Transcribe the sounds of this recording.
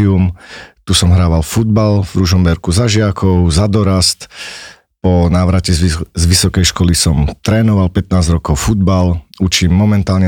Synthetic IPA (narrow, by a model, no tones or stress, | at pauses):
iumt̪usɔmɦɾaːʋalfud̪̚balvɾuʒɔmbɛɾkuzaʒɪakɔʊzad̪ɔɾast̪ | pɔnaːʋɾacɛzʋisɔkɛjʃkɔlisɔmt̪ɾɛːnɔʋalpɛt̪naːzɾɔkɔʊfud̪balut͡ʃiːmːɔmɛnt̪aːlɲɛ